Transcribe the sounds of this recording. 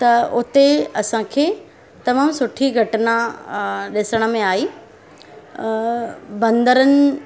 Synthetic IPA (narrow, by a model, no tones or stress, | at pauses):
t̪ɐʊt̪eɐsãkʰeː | t̪ɐmaːmsʊʈʰiɡʱɐʈna | ɗɪsəɽ̃ə̆mẽaːiː | bɐ̃nd̪əɾənɪ̆